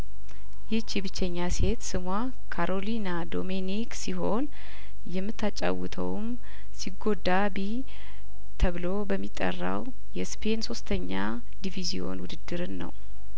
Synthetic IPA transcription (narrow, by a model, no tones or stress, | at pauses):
jɛt͡ʃːibɨt͡ʃːɛɲːase̞t̪sɨmwa | kʰaɾʔo̞linad̪o̞meniksiɦo̞n | jɛmːɨt̪ʰːat͡ʃʼːa̰wːɨt̪ʰə̰wm | siɡo̞d̪abi | t̪ʰəβɨlo̞bəmːit̪ʼːə̰rːa̰w | jɛspʰe̞nso̞st̪ʰəɲːa | d̪ivizio̞̰nwʊd̪ɨd̪ːɨɾɨnːə̰w